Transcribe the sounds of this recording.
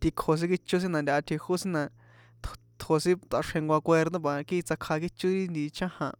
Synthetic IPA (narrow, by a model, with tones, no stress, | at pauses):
t̪i˧kʰo˨s̬ĩ˦ki˧t͡ʃu˦s̬ĩ˦nã˧nd̪ʲa˧ʔa˧t̪ʰi˧hu˦sĩ˦nã˧ | t̪ | t̪ʰo˨˧sĩ˦t̪a˧ʂhẽ˧ŋɡʷa˧kʷe˧ɾd̪õ˦ba˨˧ki˦i˧t͡sa˧kʰa˧k̬i˦t͡ʃu˦ɾi˦nd̪i˧t͡ʃã˦hã˧